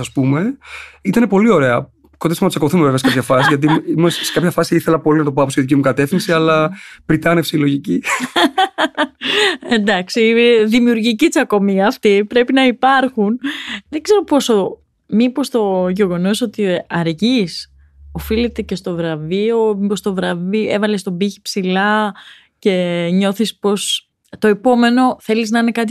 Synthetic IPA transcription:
sɐspume̞it̪ɐne̞po̞lio̞ɾeɐ | konesonɐt͡sɐko̞θumeveveɐsekɐpçɐfɐsizʝɐt̪̬iimessekɐpçɐfɐsiiθelɐpo̞linɐt̪o̞pɐpo̞st̪iðicimukɐt̪e̞fθinsiɐlɐpɾit̪ɐnefsilo̞ʝici | e̞nd̪ɐksiðimiuɾʝicit͡sɐko̞miɐft̪ipɾe̞pinɐipɐɾxunðe̞ɡze̞ɾo̞po̞so̞ | mipo̞st̪o̞ʝe̞ɣo̞no̞so̞t̪iɐɾʝis | o̞filet̪e̞ce̞st̪o̞vɾɐvio̞mipo̞st̪o̞vɾɐvie̞vɐle̞st̪o̞biçi̥psilɐ | ce̞ɲo̞θispo̞s | t̪o̞epo̞me̞no̞θe̞liznɐine̞kɐt̪̬i

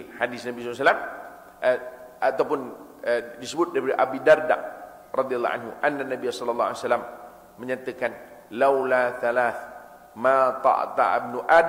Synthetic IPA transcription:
hadɪsnabisɔsalam | at̪awpʊn | ədisəbʊt̪̚daɾipadaʔabidarda̰ʔ̚ | rɑd̪ialːɑ̰ʔa̰nɦṵʔanːanabiasɔlalːɑa̰salamː | əɲat̪əkan | lawlaθalaθ | mãt̪ɑ̰ʔt̪a̰bnuʔad

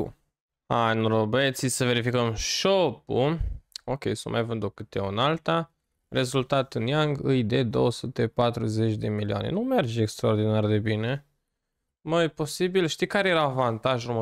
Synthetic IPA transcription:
ṵ | anrobet̪sisəve̞ɾifikəmʃopuokʲejsə̰mʔa̰jvɨnd̪okɨt̪eunalt̪a | re̞zult̪at̪ɨnjaŋɡɨjd̪e̞d̪o̞wəsut̪e̞pat̪ɾuze̞t͡ʃʲd̪e̞milianḛnume̞rd͡ʒekst̪ɾaord̪inard̪e̞bine̞ | məjpo̞sibilʃt̪ijkaɾejeɾavant̪aʒrumə

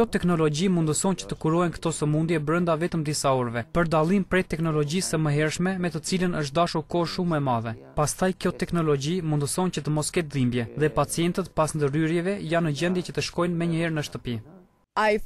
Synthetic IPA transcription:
kjɔt̪ɛknɔlɔɟimund̪əsɔnt͡ɕə̥t̪əkuɾɔɛnkə̥t̪ɔsəmund̪jɛbɾənd̪avɛt̪əmd̪isaɔɾvɛpəɾd̪alˠimpɾɛt̪ːɛknɔlɔɟisəməɦɛɾʃmɛmɛt̪ət͡silənəʃ̬t̪̚d̪aʃuɾkɔʃumɛmaðɛpast̪ajkjɔt̪ɛknɔlɔɟimund̪əsɔncət̪əmɔskɛt̪̚dimbjɛðɛpat͡sijɛnt̪ət̪pasnd̪əryɾjɛvɛjanːəɟɛnd̪jɛcət̪əʃkɔjnmɛɲəhɛɾnəʃt̪əpi | a

